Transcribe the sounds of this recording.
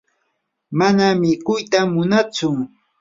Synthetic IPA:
manamɪkʊjt̪amʊnat͡sʊ

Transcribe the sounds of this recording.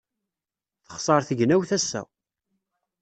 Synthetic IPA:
θə̥χsˤɑɾˤθəʝnæwθæsːæ̰

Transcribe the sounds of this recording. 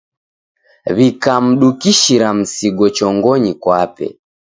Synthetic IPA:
βikam̩ɗukiʃiɾam̩siɡɔt͡ʃɔŋɡɔɲikwapɛ̰

